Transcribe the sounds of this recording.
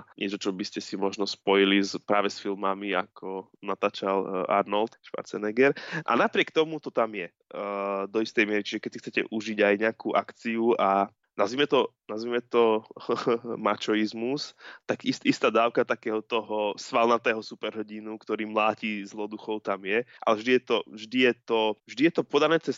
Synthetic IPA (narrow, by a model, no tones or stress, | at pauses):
aɲʔɪɛt͡ʃɔt͡ʃɔbiscɛsimɔʒnɔspɔjilizpɾaːʋɛsfilmamia̰kʰɔ | nat̪aːt͡ʃala̰ɾnɔlt̪ʃpa̰ɾt͡sɛnɛɡɛɾʔa̰napɾɪɛkt̪ɔmut̪ɔt̪amjɛ | d̪ɔist̪ɛjmɪɛɾit͡ʃiʒɛkɛcsixkt͡sɛcɛ̰ʔuʒiɟajɲɪakuːʔakt͡siua | nazʋimɛt̪ɔnazʋimɛt̪ɔ | mat͡ʃɔizmust̪aɡist̪ist̪aːd̪aːʊkat̪akɛːɦɔt̪ɔɦɔsʋalnat̪ɛːɦɔsupɛɾɦɔɟinukt̪ɔɾiːmlaːcizlɔd̪uxɔʊt̪amjɛʔa̰lɛvʒd̪ijɛt̪ɔvʒd̪ijɛt̪ɔvʒd̪ijɛt̪ɔpɔd̪anɛːt͡sɛs